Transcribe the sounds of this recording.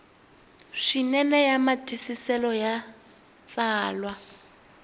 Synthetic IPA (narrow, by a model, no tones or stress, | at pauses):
ʂinɛnɛjamatʰisisɛlɔja | t͡saːlwa